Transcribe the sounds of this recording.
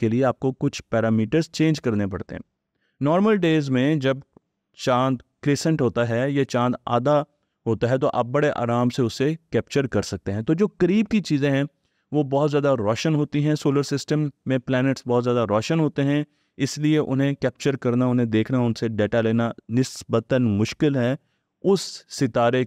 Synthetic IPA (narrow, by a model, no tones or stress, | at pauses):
kelieaːp̚kokʊt͡ʃʰpɛːɾaːmiːʈəɾzt͡ʃẽːnd͡ʒkɐɾnepɐ̰ɽt̪ḛɦɛ̰̃ː | nɔːɾməlɖeːzmẽd͡ʒɐb | t͡ʃãːnd̪kɾeːsə̃ɳʈɦoːt̪aɦɛjet͡ʃãːnd̪a̰ːd̪a | ɦoːt̪aɦɛt̪oʔɐ̰b̚ːɐɽeʔa̰ːɾaːmseʊsːekɛːpt͡ʃəɾkɐɾsɐk̚t̪eɦɛ̃t̪oːd͡ʒoːkɐɾiːb̚kit͡ʃiːzẽɦɛ̃ | ʋobɔːt̪zjaːd̪aɾɔːʃənɦoːt̪iɦɛ̃soːləɾsɪsʈəmːẽplɛːnɪʈsbɔːt̪zjaːd̪aɾɔːʃənɦoːt̪eɦɛ̃ | ɪslieʔʊnɦẽkɛːp̚t͡ʃəɾkɐɾnaʊnɦẽd̪eːkʰnaʊnseɖeːʈaleːnanɪsbət̪ənmʊʃkɪlɦɛː | ʊsːɪt̪aːɾe